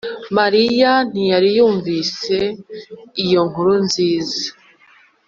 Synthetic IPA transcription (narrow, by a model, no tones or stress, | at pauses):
maɾijan̥ijaɾijuːɱviːse̞ | ijo̞ŋ̥uɾunziːza